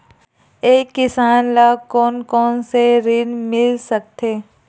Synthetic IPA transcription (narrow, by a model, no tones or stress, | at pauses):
eːkːɪsaːnlaːkɔːnkɔːnseɾɪnmɪlsɐk̚t̪eː